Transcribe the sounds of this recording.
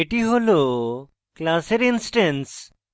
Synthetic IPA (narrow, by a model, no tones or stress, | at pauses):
eʈiɦolo | klaseɾinsʈens